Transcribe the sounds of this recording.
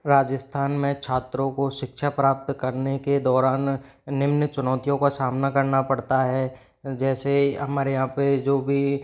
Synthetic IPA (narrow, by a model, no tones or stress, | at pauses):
ɾaːd͡ʒəst̪ʰaːnmẽt͡ʃʰaːt̪ɾõkoʃɪkʃapɾaːp̚t̪kɐɾneked̪ɔːɾaːnː | ɪmnət͡ʃʊnɔːt̪ijõkasaːmnakɐɾnapɐɽt̪aɦɛ | d͡ʒɛːseɦɐmaːɾejɦãped͡ʒoːbʱi